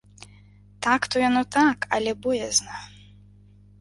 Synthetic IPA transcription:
t̪akt̪ɔjanɔt̪akɐlʲɛbɔjɛznɐ

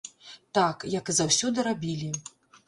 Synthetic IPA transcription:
t̪akjɐkɨzawsʲɔd̪ɨɾabʲilʲi

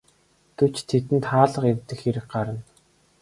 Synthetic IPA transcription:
t̪ɵ̥t͡ɕt̪ʰet̪ɘ̆nt̪χaːɮə̆qerʲt̪ɘ̆xxeɾɘ̆k̚ɢaɾə̆n

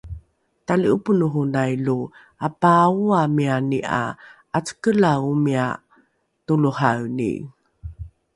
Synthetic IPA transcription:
taliupunuɦunajlu | apauamianiʔa̰ | at͡sə̥kəlaumia | tuluhawnḭ

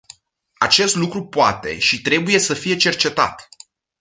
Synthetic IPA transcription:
at͡ʃe̞st̪lukɾupoat̪e̞̰ʃit̪ɾe̞buje̞səfije̞t͡ʃe̞rt͡ʃe̞t̪a̰t̪

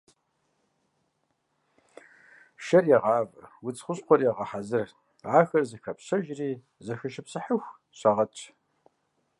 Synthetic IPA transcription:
ʃɐrjɛʁɑːv̰wʊt͡sχʷʊɕʼqʷɔrjɛʁɐħazɨr | aːxɐrzɨxɐpʰɕɐʒriː | zɐxɨʃɪpsɨħəxʷ | ɕʷaʁɐt͡ʃʰ

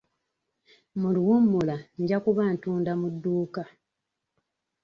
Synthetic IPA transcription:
muliwumːulaɲɟakuβantuːndamudːuːka

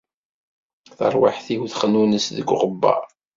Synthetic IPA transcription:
θə̰ɾˤwa̰ħθiuθχənːunəsðəɡʷːʁəbːɑ̰

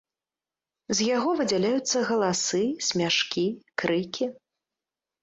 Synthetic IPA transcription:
zjaɣɔvɨd͡zʲalʲajut̪sːɐɣɐlˠasɨsʲmʲaʂkʲikɾɨkʲi

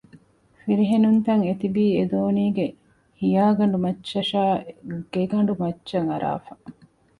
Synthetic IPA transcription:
fiɾiɦenunt̪ɐŋet̪ibiːed̪oːniːɡe | hijaːɡɐɳɖumɐt͡ʃːɐʃaːɡ̥eɡɐɳ̆ɖumɐt͡ʃːt͡ʃːɐŋɐɾʔa̰ːfɐ

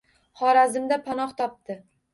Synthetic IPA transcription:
χɒɾazɪmd̪apʰanɒχt̪ʰɒp̚t̪ɪ

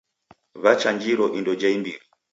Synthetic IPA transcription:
βat͡ʃaɲd͡ʒiɾɔʔindɔd͡ʒaimbiɾi

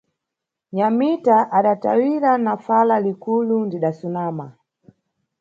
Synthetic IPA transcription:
ɲamitaʔaɗata̰wiɾanafalalikulundiɗasunaːma

